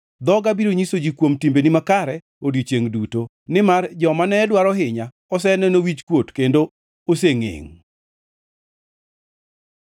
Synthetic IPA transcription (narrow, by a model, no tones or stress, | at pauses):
d̪ɔɡabiɾoɲisod͡ʒikwomtimbenɪmakaɾɛ | odit͡ʃeŋduto | nɪmard͡ʒɔmanɛdwaɾɔɦɪɲa | ɔs̬ɛnɛnowit͡ʃkwotkendo | oseŋḛŋ